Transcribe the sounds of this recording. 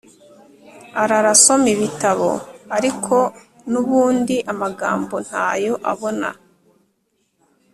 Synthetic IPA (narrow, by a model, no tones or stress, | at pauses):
aɾaɾaso̞miβitaβo̞̰aɾikʰo̞ | nuβuːndiʔamaɡa̰ːmbo̞n̥haːjo̞ʔa̰βo̞na̰